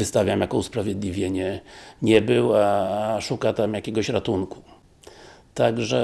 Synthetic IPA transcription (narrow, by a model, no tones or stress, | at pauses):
vɨst̪avʲjamjakɔuspɾavʲjɛd̪lʲivʲjeɲɛɲɛbɘwaʂukat̪amjakʲeɡɔɕɾat̪unku̥ | t̪aɡʐɛ